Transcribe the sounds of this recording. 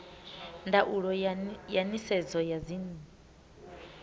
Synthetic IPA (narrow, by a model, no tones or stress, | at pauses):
ndaʔuɺɔjanisɛd͡zɔjazini